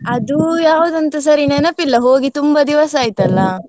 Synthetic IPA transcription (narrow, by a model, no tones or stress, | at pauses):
ɐd̪ujaːʋuːd̪ɐnt̪ɐsɐɾinɛnɐpːilːɐɦoːɡit̪umbɐd̪iʋɐsaːjit̪ɐlːɐ